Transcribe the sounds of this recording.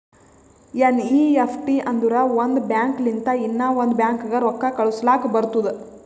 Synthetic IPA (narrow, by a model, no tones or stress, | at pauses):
eniːepʰʈiʔɐnd̪uɾɐʋond̪bjaːŋklint̪ɐinːɐʋond̪bjaːŋkɡɐɾɔkːɐkɐɭuslaːkbɐɾt̪ud̪e